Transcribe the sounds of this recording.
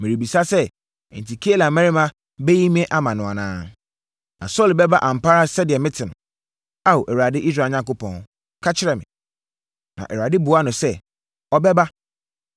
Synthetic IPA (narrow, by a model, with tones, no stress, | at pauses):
mɪ̃˨ɾi˨bi˨sa˦sɛ̰˦˨ | n˨tʰi˨kʰi˦e˦la˨mɛ̃˦ɾɪ˦mã˦ | bɛ˦ji˦mĩ˦ɛ˦ʔa˦mã˨nʊ̃˨a˨nã̰ː˦ | nã̰˨sɔ˦˨lbɛ˦ba˦ʔã˨m̩˨pa˦ɾa˦sɛ˦dɪ˨ɛ˨mɪ̃˦tʰɪ̃˨nʊ̃˨ | a˦wo˨ʔɛ˨wa˨dɪ˦ʔi˦s̬ɾa˨ɲã˦ŋkʊ˦pʰɔ̰̃˨n | kʰa˦t͡ɕʰɪ˦ɾɛ˨mɪ̰̃˨ | nã̰˨ʔɛ˨wa˨dɪ˦bu˨˦a˦nʊ̃˨sɛ˦ | ɔ˦bɛ˦ba˦